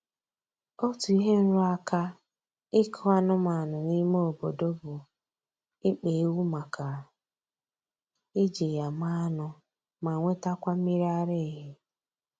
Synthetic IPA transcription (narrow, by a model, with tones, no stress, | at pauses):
ɔ˦tʊ˨i˦ɦe˦n̩˦ɾʊ˦a˦ka˦ | ɪ˦kʰʊ˦a˦nʊ˦ma˨nʊ˨ni˦mo˦o˨bo˨do˦bʊ˨ | ɪ˦k͡pe˨e˦wu˦ma˨ka˨ | e˦d͡ʒe˨ja˨ma˦nʊ˦ | ma˨ŋʷe˦ta˦kʷa˦mi˦ɾi˦a˦ɾe˦˨ɦɪ˦